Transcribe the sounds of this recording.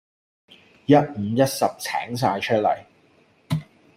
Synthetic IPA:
jɐ˥t̚m̩˨˧jɐ˥t̚sɐ˨p̚t͡sʰɛ̰ː˨˥ŋs̬aː˧jt͡ʃʰɵ˥t̚lɐ̰˨˩j

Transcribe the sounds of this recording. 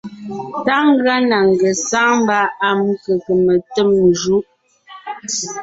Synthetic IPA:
ta˦ŋ˦ɡɰa˦na˨ŋ˨ɡə˨sa˦m˦ba˦a˨m˦kə˨kə˨mə˨tə˦˨mː˨d͡ʒu˦ʔ

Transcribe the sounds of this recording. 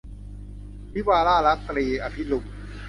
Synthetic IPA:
mi˦˥waː˧laː˥˩ɾa˦˥t̪ːɾiː˧ʔa˧pʰi˦lu˧m̚

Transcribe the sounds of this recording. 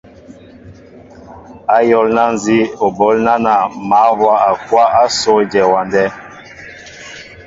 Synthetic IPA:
a˦jɔ˦lna˦n˨zi˦o˨bɔ˨˦lna˦na˨ma˨˦hwa˦a˨kwa˦a˦sɔ˦d͡ʒɛ˨wa˨ndɛ˦

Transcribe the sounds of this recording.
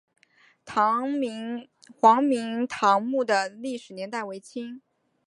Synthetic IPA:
t̪ʰɑ˧˥˧ | xwɑ˧˥ŋmi˧˥ŋt̪ʰɑ˧˥ŋmu˥˩d̪ə˩li˥˩ʂɻ̩˨˩njɛ˧˥nt̪a˥˩ɪwe˧˥ɪt͡ɕʰi˥ŋ

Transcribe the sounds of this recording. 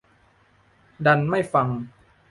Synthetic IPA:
da˧nma˥˩jfa˧ŋ

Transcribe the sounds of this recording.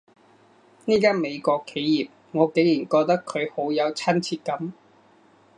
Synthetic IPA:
niː˥kaː˥nme˨˧jkɔː˧kʰːe˨˥jjiː˨p̚ | ŋɔː˨˧ke˨˥ŋliː˨˩nkɔː˧k̚t̪ɐ˥kʰːɵ˨˧ɥho˨˥wjɐ˨˧wt͡sʰɐ˥nt͡sʰiː˧t̚kɐ˨˥m

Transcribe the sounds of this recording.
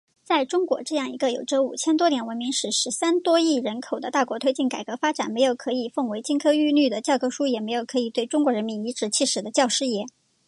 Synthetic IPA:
t͡sa˥˩ɪʈ͡ʂʊ˥ŋkwɔ̰˧˥ʈ͡ʂɤ˥˧jɑ˥˩ŋi˧˥ɡə˧jo˨˩ʊʈ͡ʂə˧˥ṵ˨˩t͡ɕʰjɛ˥nt̪wɔ˥t̪jɛ˨˩nwə˧˥nmi˧˥ŋʂɻ̩˨˩ʂɻ̩˧˥sa˥nt̪wɔ˥i˥˩ɻə˧˥nkʰo˨˩ʊd̪ə˦t̪a˥˩kwɔ˧˥t̪ʰwe˥t͡ɕi˥˩nka˨˩ɪkɤ˧˥fa˥ʈ͡ʂa̰˨˩nme˧˥ɪjo˨˩ʊkʰɤ˧˥i˨˩fɤ˥˩ŋwe˧˥ɪt͡ɕi˥nkʰɤ˥y˥˧ly˥˩d̪ə˩t͡ɕjɑ˥˧ʊkʰɤ˥ʂu˥jɛ˨˩me˧˥ɪjo˨˩ʊkʰɤ˧˥i˨˩t̪we˥˩ɪʈ͡ʂʊ˥ŋkwɔ˧˥ɻə˧˥nmi˧˥ni˧˥ʈ͡ʂɻ̩˧˥t͡ɕʰi˥˩ʂɻ̩˨˩d̪ə˦t͡ɕjɑ˥˧ʊʂɻ̩˥˧jɛ˥˩˦

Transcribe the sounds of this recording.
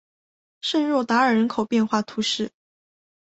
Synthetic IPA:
ʂə˥˧nɻwɔ˥˩t̪a˧˥ə˞˨˩ɻə˧˥nkʰo˨˩ʊpjɛ˥˧nxwa˥˩t̪ʰu˧˥ʂɻ̩˥˩

